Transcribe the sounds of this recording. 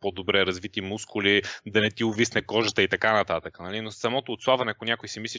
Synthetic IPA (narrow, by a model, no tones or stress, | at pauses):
pod̪obɾɛɾɐzvit̪imuskʊlid̪ɐnɛt̪iʊvisnɛkɔʒət̪əit̪ɐkanɐt̪at̪əkənɐlinossɐmɔt̪oːt̪slˠavɐnɛɐkʊnʲakʊjsimislʲi